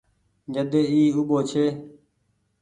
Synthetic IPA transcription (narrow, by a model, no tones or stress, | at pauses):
d͡ʒəd̪eːiːuɓoːt͡ʃʰeː